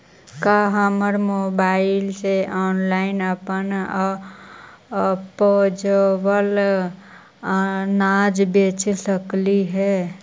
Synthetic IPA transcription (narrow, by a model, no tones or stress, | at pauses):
kaɦəməɾmobaɪlseʔɔːnlaɪnəpən | pod͡ʒəwəl | nad͡ʒbet͡ʃsəkliɦɛ